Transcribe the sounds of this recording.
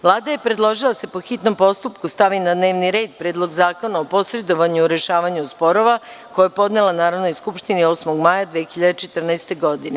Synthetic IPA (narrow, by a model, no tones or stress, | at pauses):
ʋlˠaːd̪aje̞pɾed̪lˠo̞ʒilˠaase̞po̞xit̪no̞mpo̞st̪upkust̪aʋinad̪ne̞ːʋniɾe̞ːd̪pɾeːd̪lˠo̞ɡzaːko̞naopo̞sɾe̞d̪o̞ʋaɲuuɾe̞ʃaːʋaɲuspo̞ɾoʋako̞japo̞d̪nelˠanaːɾoʋdno̞jskupʃt̪inio̞ːsmoɡmaːjad̪ʋeːxiʎad̪et͡ʃet̪r̩naest̪e̞ɡo̞d̪ine